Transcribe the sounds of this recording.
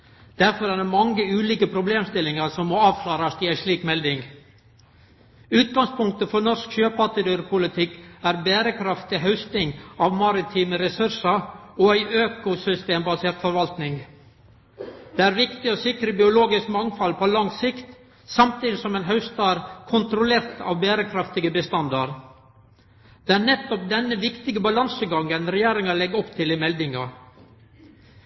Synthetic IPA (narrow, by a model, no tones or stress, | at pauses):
d̪̥æɾfɔɾæːɖɛmɑŋəʉːliːkəpʰɾʊbleːmst̪ɪlːɪŋɑɾsɔmːoːɑːʋkʰlɑːɾɑst̪ɪæɪʂɭiːkmɛld̪ɪŋ | ʉːt̪̚ɡɑŋspʰʊŋk̚t̪əfɔɳɔʂkɕøːpɑʈ̪ɪd̪ʉɾpʰʊlɪt̪ʰɪkːæːɾbæːɾəkʰɾɑft̪ɪɦœʉst̪nɪŋɑːʋmɑɾɪt̪ʰiːməɾɛsʉɾʂɑɔæɪʔøːkʊsʏst̪eːmbɑseːɾt̪fɔɾʋɑlt̪nɪŋ | d̪̥ɛːæːɾʋɪkt̪ɪɔsɪkɾəbɪʊloːɡɪskmɑŋfɑlpʰolɑŋsɪkt̪ | sɑmt̪ʰiːd̪ɪsɔmæːnɦɑʉst̪ɑːɾkʰʊnt̪ɾʊleːɾt̪ʰɑ̰ʋbæːɾəkʰɾɑft̪ɪɡəbəst̪ɑnd̪ɑɾ | d̪̥ɛæːɾnɛt̪ːɔp̚d̪ɛnːəʋɪkt̪ɪɡəbɑlɑnsəɡɑŋənɾɛjeːɾɪŋɑɭɛɡɔpt̪ʰɪlɪmɛld̪ɪŋɑ